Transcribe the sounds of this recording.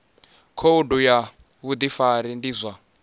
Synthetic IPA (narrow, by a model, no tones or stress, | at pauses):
kʰouduja | βud̪ifaɾindizʷa